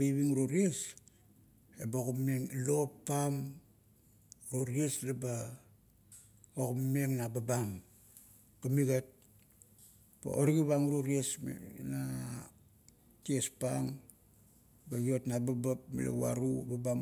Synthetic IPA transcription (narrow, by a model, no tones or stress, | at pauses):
iβiŋɾoɾies | eboɣummeŋlopːam | ɾoɾieslaba | oɣummeŋnababam | kamiɡet̚ | pa̰ʔoɾiɡiβaŋɾoɾiesna | tiespaŋ | baɡiotnababapmḭlḛwa̰ɾubabam